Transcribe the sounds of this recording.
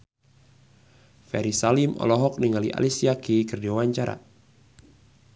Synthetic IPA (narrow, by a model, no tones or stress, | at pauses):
fɛɾisalimɔ̰lɔɦɔk̚niŋaliʔa̰lisiakikɨrdiwaɲt͡ʃaɾa̰